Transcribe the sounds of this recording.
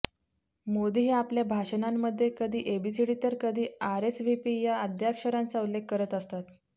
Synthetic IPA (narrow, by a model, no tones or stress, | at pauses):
mod̪iɦeapljabʱaɕənamːəd̪ʱːjekəd̪ʱiːʔebisiɽit̪əɾkəd̪ʱiːaɾesʋipijaəd̪ʱjakʂəɾant͡saulːekːəɾət̪əst̪at̪